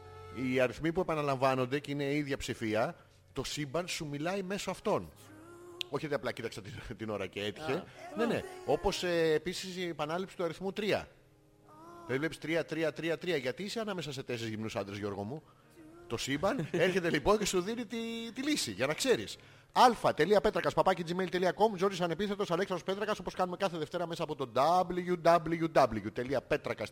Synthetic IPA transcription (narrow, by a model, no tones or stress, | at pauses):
iɐɾiθmipue̞pɐnɐlɐɱvɐno̞nd̪e̞ceine̞iðʝɐpsifiɐ | t̪o̞sibɐnsumilɐime̞soɐft̪o̞n | o̞çit̪eɐplɐcit̪ɐksɐt̪it̪ino̞ɾɐcee̞t̪i̥çe̞ne̞ne̞o̞po̞sːpisispɐnɐlipsi̥t̪uɐɾiθmut̪ɾiɐ̰ | t̪evlepsi̥t̪ɾiɐt̪ɾiɐt̪ɾiɐt̪ɾiɐʝɐt̪iiseɐnɐme̞sɐse̞t̪e̞sizʝimnusɐ̰nd̪ɾezʝo̞ɾɣo̞mu | t̪o̞sibɐleɾçe̞t̪e̞lipo̞nce̞suðinit̪it̪ilisiʝɐnɐkse̞ɾḭs | ɐlfɐt̪e̞liɐpe̞t̪ɾɐkɐspɐpɐced͡zimeilt̪e̞liɐko̞mzo̞t̪isɐne̞piθet̪o̞sɐle̞ksɐospe̞t̪ɾɐkɐso̞po̞skɐnume̞kɐθeðe̞ft̪e̞ɾɐme̞sɐːpo̞t̪o̞d̪ɐblʝud̪ɐbluʝud̪ɐbluʝut̪e̞liɐpe̞t̪ɾɐkɐs